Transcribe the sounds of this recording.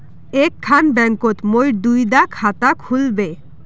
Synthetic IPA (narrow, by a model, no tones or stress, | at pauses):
ekʰːanbɛŋkot̪mojɾd̪ujd̪akʰat̪akʰulbe